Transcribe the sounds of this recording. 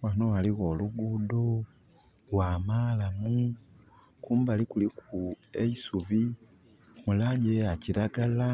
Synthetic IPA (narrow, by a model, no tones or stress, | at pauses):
wanowaliɣoluɡuːdo | waːmaːlamu | kuːmbalikulikueisuβi | mulaɟeaciɾaɡala